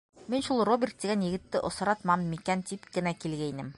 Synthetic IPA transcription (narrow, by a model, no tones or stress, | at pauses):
minʃulˠrobʲɪrt̪̚t̪iɡænjɘ̆ɡɘ̆t̪ːɘʔŏsɑ̆ɾɑt̪mɑmmikænt̪ipkɘ̆nækilɡæjnɘm